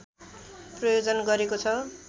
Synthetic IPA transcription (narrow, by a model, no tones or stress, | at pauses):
prʌjod͡zʌnɡʌɾekot͡sʰʌ